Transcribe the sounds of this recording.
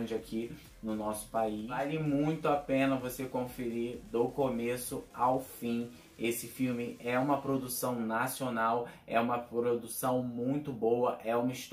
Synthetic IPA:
d͡ʒɪakʰi | nʊnɔsʊ̥paialɪmũj̃t̪ʊapẽnɐvosekõfeɾid̪okomesʊawfĩ | esɪfiwmɪɛũmɐpɾod̪usɐ̃w̃nasionawɛ̰ũmɐpɾod̪usɐ̃w̃mũj̃t̪ʊbowɐʔɛũmɐiʃt̪

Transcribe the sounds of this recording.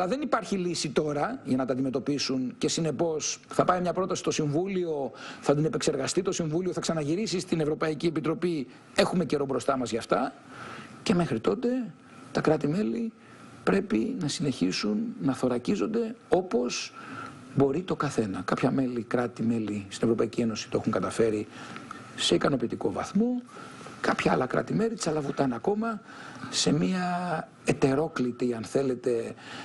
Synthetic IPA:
ɐlɐðe̞nipɐɾçilisit̪o̞ɾɐʝɐnɐt̪ɐnd̪ime̞t̪o̞pisunce̞sine̞po̞sθɐpɐimɲɐpɾo̞t̪ɐsi̥st̪o̞siɱvulio̞θɐd̪inepe̞kse̞ɾɣɐst̪it̪o̞siɱvulioθɐksɐnɐʝiɾisist̪inevɾo̞pɐiciepit̪ɾo̞pi | e̞xume̞ce̞ɾo̞bɾo̞st̪ɐmɐzʝɐft̪ɐ | ce̞me̞xɾit̪o̞t̪e̞ | t̪ɐkɾɐt̪ime̞li | pɾe̞pinɐsine̞çisunːɐθo̞ɾɐcizo̞nd̪e̞o̞po̞z | bo̞ɾit̪o̞kɐθe̞nɐkɐpçɐme̞likɾɐt̪ime̞list̪inevɾo̞pɐicie̞no̞si̥t̪oe̞xuŋkɐt̪ɐfe̞ɾi | se̞ikɐno̞pit̪iko̞vɐ̰θmo̞ | kɐpçɐɐ̰lɐkɾɐ̰t̪ime̞lit̪sɐlɐvut̪ɐnɐko̞mɐ | se̞miɐ | et̪e̞ɾo̞klit̪iɐnθe̞le̞t̪e̞

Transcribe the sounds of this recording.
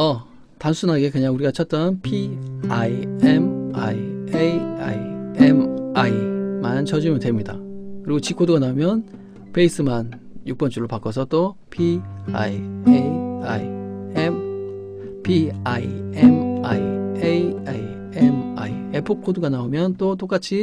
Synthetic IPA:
ʌ | tansʰunɦaɡe̞kɯɲaŋuɾiɡat͡ɕʰʌt̚t͈ʌnpʰiaiema̰ieja̰jemaimanɯnt͡ɕʰʌd͡ʑumjʌntwemɲida̰kɯɾiɡot͡ɕikʰoduɡanaumjʌn | pe̞is͈ɯman | juk̚p͈ʌnt͡ɕ͈uɾɭːopak͈ʌs̬ʰʌt͈o | pʰia̰ea | pʰiajemajejai | ema̰iepʰokʰoduɡanaomjʌnt͈ot͈ok͈at͡ɕʰi

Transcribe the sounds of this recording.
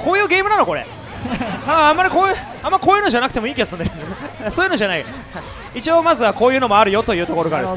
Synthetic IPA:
kʰo̞ːjɯ̟ːɡe̞ːmɯ̟nano̞ko̞ɾḛ | aãmːaɾʲikoːjɯ | ãmːaɾʲiko̞ːjɯ̟ːnod͡ʑanak̟t̪e̞moiːkʲiβasɨ̃nd̪end̪esoːjɯnod͡ʑanai | a | it͡ɕio̞ːmazɨβakoːjɯ̟ːno̞mo̞aɾɯ̟jo̞t̪o̞jɯ̟ːt̪o̞ko̞ɾokaɾd̪es

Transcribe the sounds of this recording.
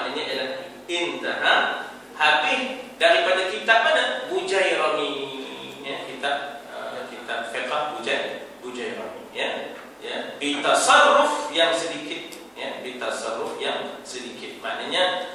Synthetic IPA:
naɲaʔelah | ɪnt̪a̰na | habɪhdaɾipadakit̪aʔmanabud͡ʒajɾomi | jakit̪aʔ̚əkit̪ap̚fekahbud͡ʒaj | bud͡ʒajɾo̰mḭja | jabit̪asarʊfjaŋsədikɪt̪̚ | jabit̪asarʊfjaŋsədikɪt̪̚ma̰naɲa

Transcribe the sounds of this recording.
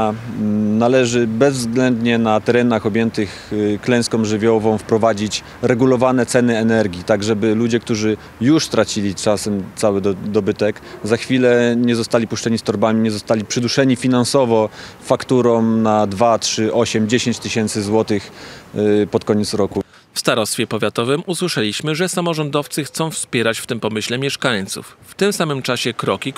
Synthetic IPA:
nalɛʐɘbɛzzɡlɛnd̪ɲɛnat̪ɛɾɛn̪axɔbʲjɛnt̪ɘx | klɛ̃w̃skɔ̃w̃ʐɘvʲjɔvɔ̃w̃fpɾɔvad͡ʑit͡ɕ | ɾɛɡulɔvanɛt̪sɛnɘɛnɛɾɡʲit̪aɡʐɛbɘlud͡ʑɛk̚t̪uʐɘ | juʂst̪ɾat͡ɕilʲit͡ʂasɛmt̪sawɘd̪ɔbɘt̪ɛkzaxfʲilɛɲɛzɔst̪alʲipuʂt͡ʂɛɲist̪ɔɾbamʲiɲɛzɔst̪alʲipʂɘd̪uʂɛɲifʲinansɔvɔ | fakt̪uɾɔmnad̪vatʂɘʔɔɕɛmd͡ʑeɕeɲt͡ɕt̪ɘɕɛnt̪sɘzwɔt̪ɘx | pɔt̪kɔɲɛt̪sɾɔku | fst̪aɾɔst̪fʲjɛpɔvʲjat̪ɔvɘmuswɘʂɛlʲiɕmɘʐɛsamɔʐɔnd̪ɔft̪sɘxt̪sɔ̃w̃fspʲjɛɾat͡ɕft̪ɘmpɔmɘɕlɛmʲjɛʂkaɲt̪sṵfːt̪ɘmsamɘmt͡ʂaɕɛkɾɔkʲi

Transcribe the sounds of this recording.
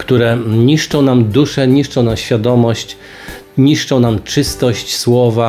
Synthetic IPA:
kt̪uɾɛɲiʂt͡ʂɔ̃w̃namd̪uʂɛɲiʂt͡ʂɔ̃w̃namɕfʲjad̪ɔmɔɕt͡ɕ | ɲiʂt͡ʂɔ̃w̃namt͡ʂɘst̪ɔɕt͡ɕswɔva

